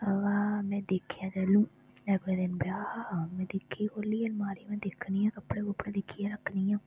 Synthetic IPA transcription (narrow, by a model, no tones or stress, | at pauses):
əʋaːmɛ̃ːd̪eːkʰjãːd͡ʒɛlũː | nɛːbẽːd̪enbjaːmɛ̃ːd̪ɪkʰːiːkoːliːəlmaːɾimɛ̃ːd̪ekʰniãːkəpːɽẽːkʊpːɽẽːd̪ɪkʰːijãːɾəkʰːniːjãː